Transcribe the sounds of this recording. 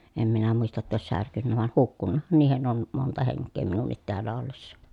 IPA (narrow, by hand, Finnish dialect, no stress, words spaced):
em minæ muistɑ tːɑ oˑes særkynːæ ʋɑˑen hukːunːɑhɑn niːhen on montɑ heŋkˑeː minunːit teælːæ olːesːɑ